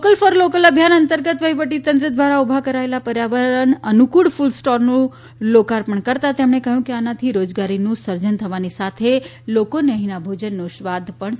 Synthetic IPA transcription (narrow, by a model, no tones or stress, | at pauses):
okəlfəɾlokələbʱjanənt̪əɾɡət̪ʋəiʋəʈ̬it̪ə̃nt̪ɾəd̪ʋaɾaubʱakəɾaelapəɾjaʋəɾənənukuɽfulsʈɔɾnũ | lokaɾpəɳkəɾt̪at̪emɳekəɦjũkeanat̪ʰiɾod͡ʒɡaɾinũsəɾd͡ʒənt̪ʰəʋanisat̪ʰe | lokonəɦinabʱod͡ʒənːõʃʋad̪ʱpəɳ